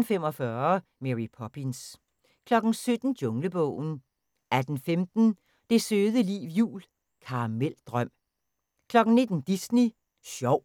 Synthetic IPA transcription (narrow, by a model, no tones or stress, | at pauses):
n̩femɒ̽fɶɐmeʁipʰɒb̥ins | kʰlɒ̽ɡ̥n̩sød̥n̩d̥o̽ŋləb̥ɔ̰ːʊ̰n̩ | æd̥n̩femd̥n̩ | d̥e̝søːð̞ˠəlḭːʋjṵːl | kʰɑ̈mel̰d̥ʁɶm̰ | kʰlɒ̽ɡ̥n̩ne̝d̥n̩d̥isni | ɕɒʊ̰